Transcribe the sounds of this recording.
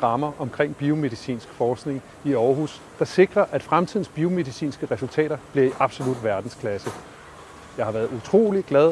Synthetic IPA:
ʁɑ̈mɐʔɒ̽mkʰʁeŋ̰b̥io̝me̝ðˠisḭːnsɡ̥fɒːsɡ̥ne̝ŋ | iɒːɦus | d̥ɑ̈se̝ɡ̥ʁɐʔæd̥fʁamt͡sʰið̰ˠn̩sb̥io̝me̝ðˠisḭːnsɡ̥əʁɛsult͡sʰɛ̰ːɾ̥ɐb̥liɐiʔɑ̈b̥so̝lud̥ʋæɐd̥n̩skʰlæsə | jɑ̈ɪhɑ̈ʋæɐð̩ˠut͡sʰʁo̝̰ːliɡ̥læðˠ

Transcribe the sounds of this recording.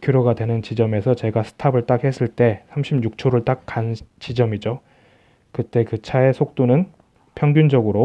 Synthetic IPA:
kjuɾoɡadwe̞nɯnt͡ɕid͡ʑʌme̞sʰʌt͡ɕe̞ɡasʰɯ̥tʰabɯɭt͈akhe̞s͈ʰɯɭt͈e̞sʰamɕʰibɲuk̚t͡ɕʰoɾɯɭt͈ak̚k͈ant͡ɕid͡ʑʌmid͡ʑo | kɯt͈e̞kɯt͡ɕʰae̞sʰok̚t͈onɯn | pʰjʌŋɡjund͡ʑʌɡɯɾo

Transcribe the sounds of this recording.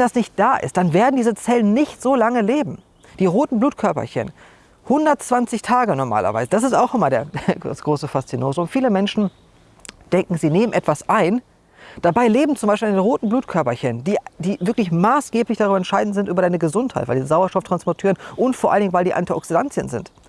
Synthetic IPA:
vɛndasnɪçt̚d̥aːʔɪ̰st̚d̥anveːɐdn̩diːzət͡sɛlənːɪçtz̥oːlaŋəleːbm̩ | d̥iːʁoːtn̩bluːtkʰœɐpɐ̰çə̰n | hʊndɐtt͡sv̥ant͡sɪçtʰaːɡənɔɐma̰ːlɐ̰va̰ɪzəd̥as̬ɪstaʊxɪmaːldeːɐsɡ̥ʁoːsəfast͡sinoːzʊntfiːləmɛnʃn̩ | d̥ɛŋkŋ̩ziːneːmənʔɛtv̥asʔaɪn | d̥abaɪleːbm̩t͡sʊmbaɪʃpilɪndenʁoːtn̩bluːtkʰœɐpɐçənndiːd̥iːvɪɐklɪçmaːsɡ̥eːplɪçd̥aʁybɐɛnʃaɪdn̩tz̥ɪntʔyːbɐɾaɪnəɡəzʊnthaɪtvaɪldiːzəzaʊɐʃtɔftʁ̥anspɔɐtʰyːənʔʊntfoːɐʔalndɪŋnvaɪldiːʔa̰ntiʔɔksidant͡sjə̰nzɪ̰nt

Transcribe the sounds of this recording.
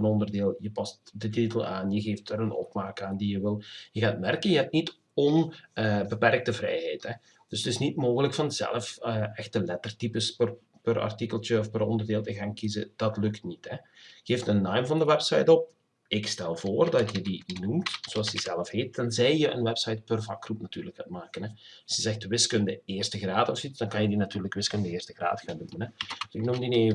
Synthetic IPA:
ənɔndərdeːlˠjəpɑstdətitəlˠa̰ːnjəɣeːftəɾənɔ̰pmaːkəaːndijəʋɪlˠjəɣaːtmɛrkənjəɦɛp̚nit | ɔnbəpɛrk̚təvrɛ̰jɦɛjthɛ | d̥ɵsətɪsnitmoːɣələkfɑnzɛ̰lˠəfəɛxtəlɛtərtipəspər | pərɑ̰rtikəlˠtəɔfpəɾɔndərdeːlˠtəɣaːnkizə̰d̥ɑtlɵktnithɛɣeːftənːɑjmvɑndəʋɛpsɑ̰jtɔp̚ | ɪkstɛlˠvoːrdɑtjədinumtsoɑlˠsjəzɛlˠəfheːt̚d̥ɑnzɛjjəʔə̰nʋɛpsɑjt̚pərvɑ̰krupnatyːrləkatmaːkənɛsəzɛxtʋɪskəndəeːrstəɣraːtɔfsitsdɑnkɑnjədinatyːrləkʋɪskəndəɪːrstəɣra̰ːtxaːndumənɛdsɪknumdineː

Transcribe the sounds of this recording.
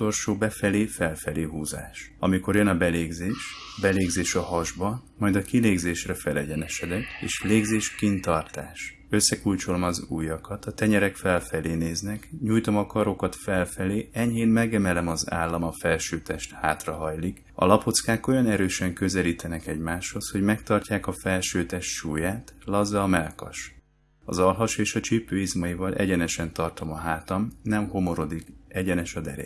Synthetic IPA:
o̞lʃoːbɛfɛleːfɛlfɛleːɦuːza̰ːʃɒmiko̞rjønɒbɛleːɡzeːʃ | bɛleːɡzeːʃɒhɒʒbɒmɒjd̪ɒkileːɡzeːʃrɛfɛlɛɟɛnɛʃɛd̪ɛkeːʃleːɡzeːʃkint̪ɒrt̪aːʃ | ø̞sːɛkult͡ʃo̞lomɒzuːjɒkɒt̪ɒt̪ɛɲɛɾɛkfɛlfɛleːneːznɛkɲuːjt̪o̞mɒkɒɾo̞kɒt̪fɛlfɛleːɛɲɦeːnmɛɡɛmɛlɛmɒza̰ːlːɒmɒfɛlʃøːt̪ɛʃt̪haːt̪rɒɦɒjlik | ɒ̰lɒpo̞t̪skaːko̞jɒnɛɾøːʃɛŋkø̞zɛliːt̪ɛnɛkɛɟmaːʃho̞sho̞ɟmɛkt̪ɒrcaːkɒfɛlʃøːt̪ɛʃt̪ʃuːjaːt̪lɒzːɒːmɛlkɒ̰ʃ | ɒ̰zɒlɦɒʃeːʃɒt͡ʃipøːizmɒjivɒlʔɛ̰ɟɛnɛʃɛnt̪ɒrt̪o̞mɒɦaːt̪ɒmnɛmho̞mo̞ɾo̞d̪ikɛɟɛnɛʃɒd̪ɛ̰ɾɛ̰

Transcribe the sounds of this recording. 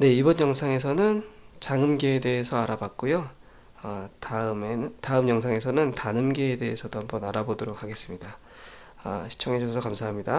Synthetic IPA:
ne̞ibʌnjʌŋsʰaŋe̞s̬ʰʌnɯnt͡ɕaŋɯmɡeːde̞ːsʰʌaɾabak̚k͈ujo | ʌtaɯmenɯtaɯmjʌŋsʰaŋe̞sʰʌnɯntanɯmɡeːde̞ːsʰʌdohambʌnaɾabodoɾok̚ʰaɡe̞s͈ɯmɲida | ʌ̰ɕʰi̥t͡ɕʰʌŋe̞d͡ʑosʰʌsʰʌkamsʰaɦamɲida

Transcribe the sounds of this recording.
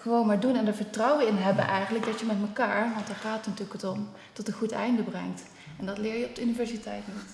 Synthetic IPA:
χəʋownmaːɹdunɛndəɹvəɹtrɑwəɪnɦɛbə̰nʔɛjχənləɡ̚dɑtjəmɛtməkaːɹʋɑntaːɹχaːtətnatyːləkətɔm | tɔtənχutɛ̰jndəbrɛ̰ŋt | ɛndɑtlɪːɹjəɔb̚dəynivɛɹzitɛjtnit

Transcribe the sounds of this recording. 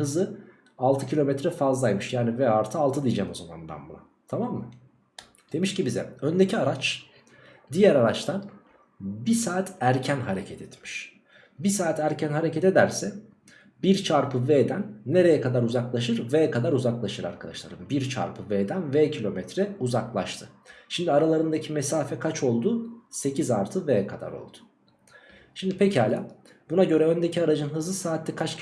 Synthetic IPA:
hɯzɯ | alˠt̪ʰɯcʰilʲo̞mɛt̪ɾɛfazlˠajmɯʃjaːnivɛaɾt̪ʰɯalˠt̪ʰɯd̪ijd͡ʒɛmo̞zama̰nd̪a̰nbuna | t̪ʰamamːɯ | d̪̥e̞miʃcibizɛ̰ø̞nd̪ecʰiaɾat͡ʃ | d̪ijæɾaɾat͡ʃt̪ʰan | bisaːt̪ʰæɾcʰænɦaɾecʰɛt̪ʰɛt̪mi̥ʃ | bisaːt̪ʰæɾcʰænɦaɾecɛt̪ed̪æɾsɛ | biɾt͡ʃʰaɾpʰɯveːd̪ænːe̞ɾe̞jɛkʰad̪aɾuzaklˠaʃɯɾvejkʰad̪aɾuzaklˠaʃɯɾa̰ɾkʰad̪a̰ʃlˠa̰ɾɯmbiɾt͡ʃʰa̰ɾpʰɯveːd̪ænvecʰilʲo̞mɛt̪ɾɛuzaklˠa̰ʃt̪ʰɯʃimd̪iaɾalˠaɾɯnd̪acʰimesaːfɛkʰat͡ʃʰo̞lˠd̪uːse̞cʰizaɾt̪ʰɯveːkʰad̪a̰ɾo̰lˠd̪̥ʊ̥ | ʃimd̪ipʰechaːlʲa | b̥unaɟø̞ɾɛø̞nd̪ecʰiaɾad͡ʒɯnɦɯzlˠɯsaːt̪ːʲɛkʰat͡ʃ

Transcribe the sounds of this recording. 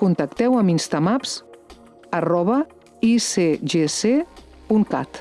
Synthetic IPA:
kunt̪əkt̪ɛwəminst̪amaps | ərɔβə | iseʒese | puŋka̰t̪

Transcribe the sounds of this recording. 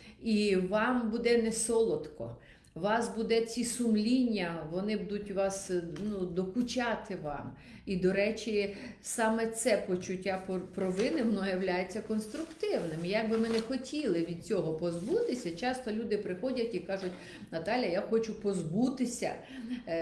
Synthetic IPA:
iʋɑmbud̪ɛnɛsɔlˠɔt̪kɔ̰ | ʋɑsbud̪ɛt͡sʲisʊmlʲinʲːɐʋɔnɪbud̪ʊtʲʋɑsnud̪ɔkʊt͡ʃɑt̪ɪʋɑ̰m | id̪ɔɾɛt͡ʃʲisɑmɛt̪sɛpɔt͡ʃʊtʲːapɔpɾɔʋɪnɪʋɔnɔjɐwlʲajet͡sʲːɐkɔnst̪ɾʊkt̪ɪwnɪmijaɡ̚bɪmɪnɛxɔtʲilˠɪʋʲid̪̥̚t͡sʲɔɦɔpɔzbut̪ɪsʲɐt͡ʃɑst̪ɔlʲud̪ɪpɾɪxɔdʲɐtʲikɑʒʊtʲ | nɐt̪ɑlʲjɐjaxɔt͡ʃʊpɔzbut̪ɪsʲɐ̰

